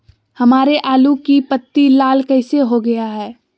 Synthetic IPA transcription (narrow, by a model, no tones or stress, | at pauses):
hɐmaːɾeʔaːlukipət̪ːilaːlkɐɪseɦoɡɐjaɦɛː